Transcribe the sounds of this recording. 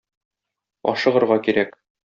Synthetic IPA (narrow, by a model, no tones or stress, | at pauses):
ɒ̰ʃɤ̆ʁɤ̆ɾʁɑkiɾæk